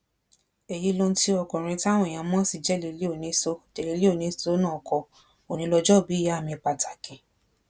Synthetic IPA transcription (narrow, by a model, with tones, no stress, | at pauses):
e˨je˨˧lõ˧n̩˦ti˦ɔ˧kɔ̃˨ɾ̃ĩ˧ti˦a˦w̃ɔ̃˧˨j̃ã˧mɔ̃˦si˦˨d͡ʒɛ˦˨le˧li˦o˦˨nĩ˧˦so˧˦te˨le˧li˦o˦˨nĩ˧˦so˦nã˦˨kʰɔ˧ | o˨nĩ˧˦lɔ˧d͡ʒɔ˦˨bi˨˦˨ja˦˨mĩ˧k͡pa˧tʰa˨kĩ˨